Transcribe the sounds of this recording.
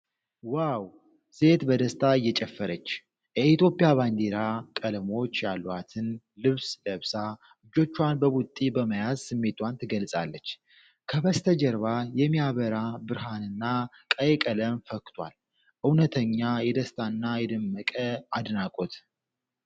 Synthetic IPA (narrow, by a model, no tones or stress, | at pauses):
waw | se̞t̪bəd̪əst̪ʰʼaɨjːɛt͡ʃʼɛfːəɾət͡ʃː | jɛit̪jo̞pʼijaβand̪eɾakʼəlmo̞t͡ʃːjalːwat̪ʰɨn | lɨβsləβsa | ɨd͡ʒo̞t͡ʃːwanbəβut̪ʼːibəməjazsɨmːe̞t̪want̪ʰɨɡəlsʼa̰lːət͡ʃː | kʰəβəst̪ʰəd͡ʒəɾβajɛmijaβəɾabɨɾɦanɨnːa | kʼəjɛkʼələmfəkːt̪ʰwa̰l | ʔɨwnət̪ʰəɲːajɛd̪əst̪ʼʰaɨnːajɛd̪əmːəkʼəad̪nakʼot̪